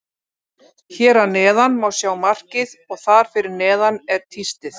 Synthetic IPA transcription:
çɛːɾanɛːðanmawsjaːwmar̥cɪðɔɣθaɾ̥fɪɾɪɾnɛːðanɛɾ̥t̪ʰist̪ɪθ

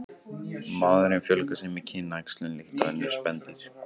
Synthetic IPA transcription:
maːðʏɾɪmfjœlkasɛmɪcʰɪːnːajkslʏnlɪxt̪aðɛnːɛspɛnt̪iɾ̥

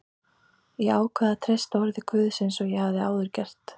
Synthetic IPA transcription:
iaːwkʰvɛːðat̪ʰɾest̪aɔɾðɪkʰvʏːðsejnsɔɣjɛhavðɪaːwðʏɾ̥cɛr̥t̪

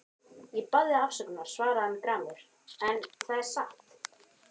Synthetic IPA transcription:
ipaðɪafsœkʏnaɾ̥svaːɾaðanːkɾaːmʏɾ̥ | ɛnθaðɛɾ̥saht̪

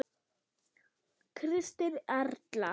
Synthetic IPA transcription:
kʰɾɪst̪ɪɾɛɾt̪la

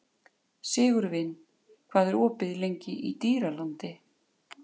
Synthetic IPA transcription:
sɪːɣʏɾvɪnː | kʰv̥aːðɛɾɔːpɪðlejɲcɪʔit̪iːɾalant̪ɪ

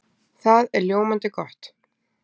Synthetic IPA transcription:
θaðɛɾljoːwmant̪ɪkɔht̪

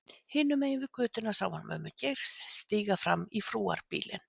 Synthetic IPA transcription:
hɪːnːʏmeːj̪vɪ̥kʰʏːt̪ʏnasaːwanmœ̰ːmʏcejɾ̥sːt̪iːɣafɾamːifɾuːa̰ɾ̥piːlɪ̰n

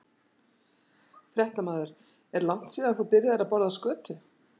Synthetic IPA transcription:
fɾjɛht̪amaːðʏɾ̥ | ɛɾlan̥t̪siːðanθuwpɪɾjɪðaɾapɔɾðaskœːt̪ʏ

